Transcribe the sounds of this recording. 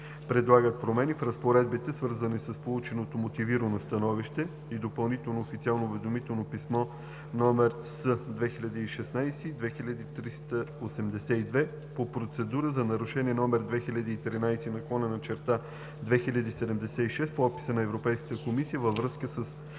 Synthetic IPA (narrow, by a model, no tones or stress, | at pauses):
pɾɛd̪lˠaɡət̪̚pɾomɛnifɾəspoɾɛd̪bit̪ɛsvɤɾzənisəspolˠut͡ʃɛnot̪omot̪iviɾənost̪ɐnɔviʃt̪ɛ | id̪opəlˠnit̪ɛlˠnoːfit̪sialˠnouvɛd̪omit̪ɛlˠnopismɔ | nɔmɛɾ | səd̪vɛxilʲɐd̪iːʃɛsnajsid̪vɛxilʲəd̪it̪ɾist̪əosɛmd̪ɛsɛid̪vɛ | popɾot̪sɛd̪uɾəzɐnɐɾuʃɛniɛnɔmɛɾd̪vɛxilʲɐd̪iːt̪ɾinajsɛnɐklˠɔnənɐt͡ʃɛɾt̪a | d̪vɛxilʲəd̪iːsɛd̪ɛmd̪ɛsɛiʃɛst̪̚poɔpi̥sənɐɛvɾopɛjskə̥t̪əkomisijəvəvɾɤskəsəs